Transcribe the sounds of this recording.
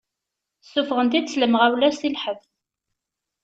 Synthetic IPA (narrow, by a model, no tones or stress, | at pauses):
sːufʁənt̪id̪sləmʁæwlæstilħəðθ